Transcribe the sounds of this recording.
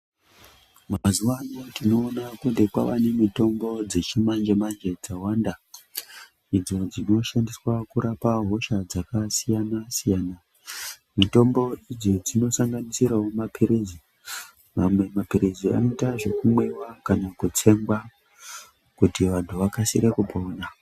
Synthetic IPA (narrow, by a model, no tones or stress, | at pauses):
mazuwanotino̞ːnakunde̞kwaʋane̞mito̞mbo̞d͡ze̞t͡ʃimand͡ʒemand͡ʒe̞d͡zawanda | id͡zo̞d͡zino̞ʃandiswakuɾapaɦo̞ʃad͡zakasijanasijaːna | mito̞mbo̞id͡zo̞d͡zino̞saŋɡanisiɾawomapʰiɾezi | mamwe̞mapiɾezia̰nitaʐe̞kumwewakanakut͡se̞ŋɡwa | kutiʋantʰuʋakasiɾekupo̞ːna